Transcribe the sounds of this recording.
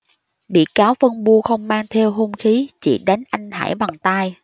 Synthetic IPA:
ɓḭ˧˨kaː˨˦wfə˧ŋɓu˧əxə˧wŋ͡mmaː˧ŋt̪ʰɛ˧wɦu˧ŋ͡mxi˨˦t͡ɕḭ˧˩ɗa˨˦jŋn̟ʔa˧jŋ̟ha̰ː˧˩jɓa˨˩ŋt̪aː˧j

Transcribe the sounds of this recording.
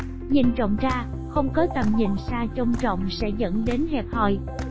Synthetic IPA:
ɲḭ˨˩nt͡ɕə̰˧˨wŋ͡mt͡ɕaː˧ | xə˧wŋ͡mkɔ˨˦t̪ə˨˩mɲḭ˧˩nsaː˧t͡ɕə˧wŋ͡mt͡ɕə̰˧˨wŋ͡msɛ̰˧˥zə̰˧˥nɗe˨˦nhɛ˨˩p̚hɔ˨˩j

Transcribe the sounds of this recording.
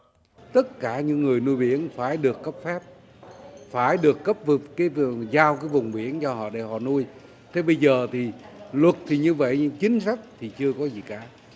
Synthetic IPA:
t̪ə˦˥t̚kaː˧˩ɲɨ̰˧˥ŋːŋɨ˨˩əjnu˧jɓi˧˩˦ənfaː˧˩jɗɨ˨˩əkːə˦˥p̚fɛ˦˥p̚ | faː˧˩jɗɨ˨˩əkːə˦˥p̚vkaː˨˦jzaː˧wkaː˨˦jvʊ˨˩ŋ͡mɓi˧˩ənt͡ɕɔ˧ɦɔ̰˧˨ɗe˧˩hɔ̰˧˨nu˧j | t̪ʰe˧˩ɓə˧jzəː˨˩t̪ʰi˨˩lwə˨˩t̚t̪ʰi˨˩ɲɨ˧və̰˧˨jt͡ɕï˨˦ŋ̟sa˦˥jk̟̚t̪ʰi˨˩t͡ɕɨ˧əkɔ˨˦zi˨˩kaː˧˩˦

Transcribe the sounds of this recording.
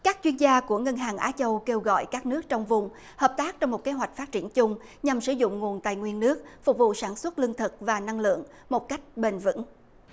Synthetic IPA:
kaː˦˥k̚t͡ɕwi˧ənzaː˧ku˧˩əŋə˧nɦaː˨˩ŋʔaː˨˦t͡ɕə˧wke˧wɣɔ̰˧˨jkaː˦˥k̚nɨ˦˥ək̚t͡ɕɔ˧wŋ͡mvʊ˨˩ŋ͡m | həː˨˩p̚t̪aː˦˥k̚t͡ɕɔ˧wŋ͡mmo˨˩t̚ke˨˦ɦwa˨˩jk̟̚faː˦˥t̚t͡ɕi˧˩ənt͡ɕʊ˧ŋ͡m | ɲa˨˩msɨ˧˩zʊ̰˧˨ŋ͡mŋu˨˩ənt̪a̰ː˨jŋwi˧ənːɨ˦˥ək̚fʊ˨˩k͡p̚vṵ˧˨saː˧˩nswə˦˥t̚lɨ˧əŋt̪ʰɨ˨˩k̚vaː˨˩na˧ŋlɨ̰˧˨əŋ | mo˨˩t̚ka˦˥jk̟̚ɓe˨˩nvɨ̰˧˥ŋ

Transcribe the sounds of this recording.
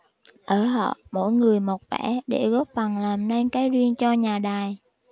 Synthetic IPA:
ʔəː˧˩ɦɔ̰˧˨mo̰˧˥˨jŋɨ˨˩əjmo˨˩t̚vɛ̰˧˥ɗe˧˩ɣɔ˦˥p̚fa˨˩ŋlaː˨˩mne˧nkaː˨˦jzi˧ənt͡ɕɔ˧ɲaː˨˩ɗaː˨˩j

